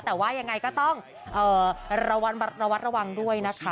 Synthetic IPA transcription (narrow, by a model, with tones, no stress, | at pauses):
t̪ɛː˨˩waː˥˩ja˧ŋːa˧jkɔː˥˩t̪ɔ˥˩ŋ | ʔɤː˨˩ɾa˧wa˦˥t̪at̪̚ɾa˧wa˦˥t̪̚ɾa˧wa˧ŋdu˥˩əjna˦˥kʰa˦˥